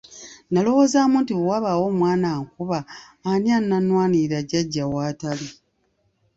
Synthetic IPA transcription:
nalo̞wo̞ːzaːmuntiwaβawo̞ːmwaːnaːŋkuβaː | nianːanwaːniɾaɟaɟːawaːtali

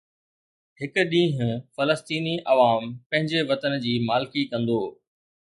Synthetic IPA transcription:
ɦɪkʊ̆ɗĩːɦʊ̃̆fɐləst̪iːniʔɐʋaːmpɐ̃ɦɪ̃ɲd͡ʑeʋɐt̪ənd͡ʑiːmaːlɪkikɐ̃nd̪oː

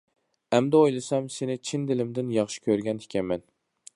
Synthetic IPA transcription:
ɛmd̪ɛojlˠɨsɛmsenɪt͡ʃʰind̪ɪlɪmd̪ɪnjɑχʃi̥kʲʰøɾɡʲɛnɪkʲʰɛmːɛn

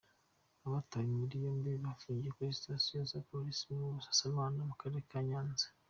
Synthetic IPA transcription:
aβatawimuɾijombiβafuːɲɟekoisitasijozapoɾisimuβusḁsaβaːnamukaɾeɾekaɲaːnze̥

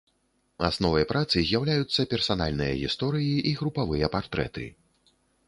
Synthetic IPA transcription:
a̰snɔvɐjpɾat̪sɨzʲjawlʲajut̪sːɐpʲɛrsana̰lʲnɨjɐ̰ɣʲist̪ɔɾɨjiʔiɣɾupavɨjɐpart̪ɾɛ̰t̪ɨ̰

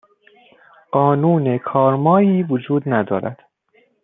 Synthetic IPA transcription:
ɢ̥ɒːnuːnekʰɒːɾmɒːiːvod͡ʒuːd̪næd̪ɒːɾæ̰d̪̥

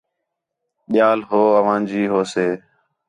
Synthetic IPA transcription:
ɓɪjaːlɦoːəʋãːd͡ʒiːɦoːseː

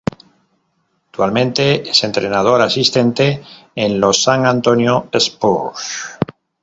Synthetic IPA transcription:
ak̚t̪walmẽ̞nt̪e̞ese̞nt̪ɾenað̞o̞ɾasist̪ẽ̞nt̪e̞enlosaŋãnt̪onjoespos

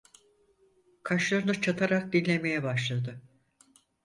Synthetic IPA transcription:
kʰaʃlˠaɾɯnɯt͡ʃʰat̪ʰaɾak̚d̪inʲːe̞me̞jɛbaʃlˠad̪ɯ

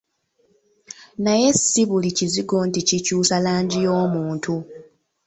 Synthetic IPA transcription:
naje̞siβuliciziɡo̞nticicuːsalaːɲɟijoːmuːntʰu

